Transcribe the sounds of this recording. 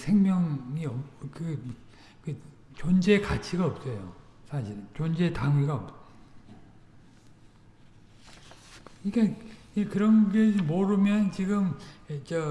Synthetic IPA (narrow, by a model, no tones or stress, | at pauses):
sʰe̞ŋmjʌŋiʌkɯ | kɯ | t͡ɕond͡ʑe̞kat͡ɕʰiɡaʌp̚s͈ʌjo̰sʰaɕʰiɾt͡ɕond͡ʑe̞taŋiɡaʌp̚ | iɡe | ekɯɾʌnɡedimoɾɯmjʌnnt͡ɕiɡɯmt͡ɕʌ